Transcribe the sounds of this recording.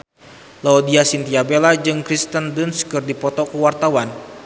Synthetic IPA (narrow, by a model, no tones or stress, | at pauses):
lɔodiasint̪iabelad͡ʒɨŋkɾist̪əndunskɨrdipɔt̪ɔkuwart̪awan